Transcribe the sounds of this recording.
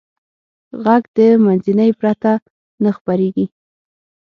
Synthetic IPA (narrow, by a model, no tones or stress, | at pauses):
ɣaɡd̪əmanzinəjpɾat̪a | nəxpaɾeɡi